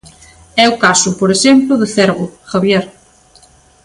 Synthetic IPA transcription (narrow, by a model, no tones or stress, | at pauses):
ɛʊkasʊpoɾeʃemplʊðeθɛɾɣʊxaβjɛɾ